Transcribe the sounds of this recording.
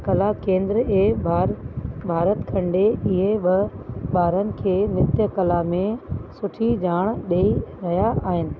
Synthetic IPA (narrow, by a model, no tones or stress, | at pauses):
kɐlakẽːnd̪ɾeːbʱabʱaːɾət̪kʰɐ̃ɳɖeɪɦeɓɪɓaːɾənɪ̆kʰeːmɪt̪jəkɐlamẽsʊʈʰid͡ʑaːɽ̃ɗeːiɾɐɦjaʔaːɦɪnɪ̆